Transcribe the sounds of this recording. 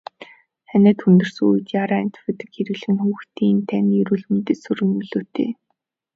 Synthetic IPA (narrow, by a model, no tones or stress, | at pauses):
χænæ̆ːt̪xunt̪ɵ̆rsɵŋuj̆t̪jaːɾaæn̥t̪fĕt̪ɘ̆kxeɾɘ̆ɣɮ̆ɘ̆nxuːxt̪ʰiːnt̪ʰænʲjɵɾuːɮmɘ̆nt̪esɵ̆rɣɘ̆ŋɵɮoːt̪ʰḛː